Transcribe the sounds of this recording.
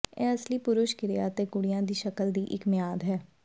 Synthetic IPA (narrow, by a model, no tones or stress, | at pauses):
ɛ̰ːəsliːpʊɾʊʃkɪɾɪjaːt̪eːkʊɽɪjãːd̪iːʃəkəld̪iːʔɪkmɪjaːd̪ɦɛː